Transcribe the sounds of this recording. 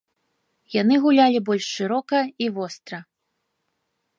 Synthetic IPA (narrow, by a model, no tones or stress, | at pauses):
janɨɣulʲalʲibɔlʲʂːɨɾɔkɐivɔst̪ɾɐ